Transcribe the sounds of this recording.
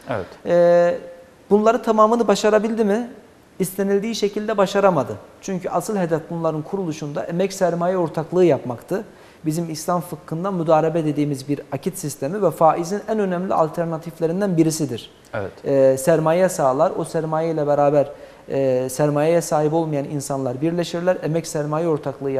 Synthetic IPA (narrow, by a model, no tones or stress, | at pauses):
ɛɛ̰t̪ɛː | bunlˠaɾɯt̪ʰamaːmɯnɯbaʃaɾabilʲd̪imɪ | ist̪ʰe̞nilʲd̪iːʃe̞cʰilʲd̪ɛbaʃaɾamad̪ɯt͡ʃʰyɲcʰyʔasɯlˠɦe̞d̪ɛfbunlˠaɾɯnkʰuɾulˠuʃund̪a̰ʔemɛcsæɾmaːjɛo̞ɾt̪ʰaklˠɯːjapmakt̪ʰɯ | bizimislʲˠamfɯkʰːɯnd̪amyd̪aːɾebɛd̪e̞d̪iːmizbiɾacʰit̪sist̪ʰe̞mivɛfaːʔizinænø̞nɛmlʲḭa̰lʲt̪ʰæɾnat̪ʰiflʲe̞ɾind̪ænbiɾisid̪iɾ̥ | ɛɛsæɾmaːjɛsaːlˠaɾosæɾmaːjajlʲɛbeɾaːbæɾː | sæɾmaːjajɛsaːɦipo̞lˠmajaninsanlˠaɾbiɾlʲe̞ʃiɾlʲæɾemɛcsæɾmaːjao̞ɾt̪ʰaklˠɯːja